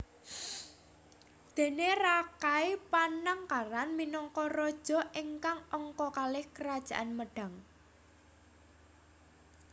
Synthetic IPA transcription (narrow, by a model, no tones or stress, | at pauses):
d̪̥e̤nerakaipanaŋkaɾanminɔŋkɔrɔd̥ʒ̥ɔ̤ʔiŋkaŋɔŋkɔkalɪhkəɾad̥ʒ̥ä̤ʔanməɖ̥ä̤ŋ